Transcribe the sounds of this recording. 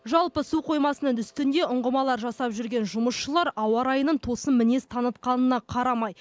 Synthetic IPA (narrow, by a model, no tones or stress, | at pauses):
ʒɑlˠpəsuqʰo̞jmɑsənənt̪ʏst̪ɪnd̪e̞ʊɴʁəmɑlˠɑɾʒɑsɑpʒʏɾɡʲe̞nʒʊməsʃəlˠɑɾʔɑwɑɾɑjənənt̪ʰo̞səmmɪne̞st̪ʰɑnət̪qɑnənɑqʰɑɾɑmɑj